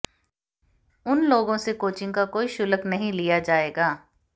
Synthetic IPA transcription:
ʊnloːɡõsekoːt͡ʃɪ̃ŋɡkakoːiʃʊləknɐɦĩlijad͡ʒaːeːɡaː

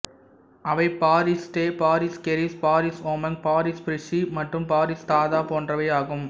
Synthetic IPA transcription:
ɐʋɐɪpaːɾisʈeːpaːɾiskɛɾispaːɾisoːmɐnpaːɾispʊɾɪʂimɐʈrɯmpaːɾist̪aːðaːpoːndrɐʋɐɪaːɣɯm

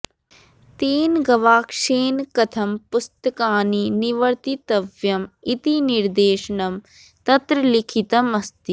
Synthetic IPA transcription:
t̪eːnɡɐʋaːkʂeːnkɐt̪ʰɐmpust̪ɐkaːniniʋɐɾt̪it̪ɐʋjɐmit̪iniɾd̪eːʃɐɳɐm | t̪ɐt̪ɾɐlikʰit̪ɐmɐst̪i

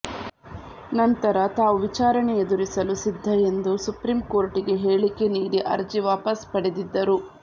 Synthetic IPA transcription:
nɐnt̪ɐɾɐt̪aːʋuʋit͡ʃaːɾɐɳeed̪uɾisɐlusid̪ʱːɐe̞nd̪usupɾimko̞ːɾʈiɡe̞ɦeːɭike̞niːɽiʔɐ̰ɾd͡ʒiʋaːpɐspɐɽed̪id̪ːɐɾu

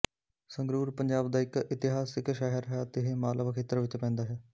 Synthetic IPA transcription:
səŋɡɾuːɾpəɲd͡ʒaːbd̪aːɪkɪt̪ɪɦaːsɪkʃɛːɦəɾɦɛːt̪eɦemaːləʋkʰeːt̪əɾʋɪt͡ʃpɛ̃ːnd̪aːɦɛː

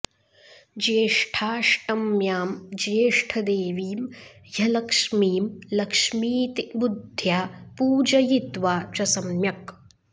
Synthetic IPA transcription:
d͡ʒeːʂʈʰaːʃʈɐmjaːmd͡ʒeːʂʈʰɐd̪eːʋiːmjɐlɐkʂmiːmlɐkʂmiːt̪ibud̪ʱjaːpuːd͡ʒɐjit̪ʋaːt͡ʃɐsɐmjɐk

